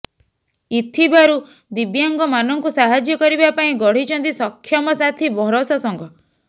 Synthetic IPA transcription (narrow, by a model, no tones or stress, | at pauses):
it̪ʰibaɾu | d̪ibjaŋɡɔmanɔŋkusaɦad͡ʒjɔkɔɾibapaĩɡɔɽ̤it͡ʃʰɔnt̪isɔkʰːjɔmɔsat̪ʰibʱɔɾɔsɔsɔŋɡɔ